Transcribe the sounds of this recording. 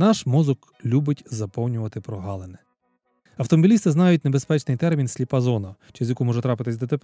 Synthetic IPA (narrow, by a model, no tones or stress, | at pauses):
nɑʃmɔzʊk | lʲubɪtʲzɐpɔwnʲʊʋɐt̪ɪpɾɔɦɑlˠenɛ | ɐwt̪ɔmɔbʲilʲist̪ɪznɑjʊtʲne̞be̞spɛt͡ʃnɪjt̪ɛɾmʲinsʲlʲipɐzɔnɐt͡ʃɪzʲjɐkumɔʒɛt̪ɾɑpɪt̪ɪsʲd̪ɔt̪ep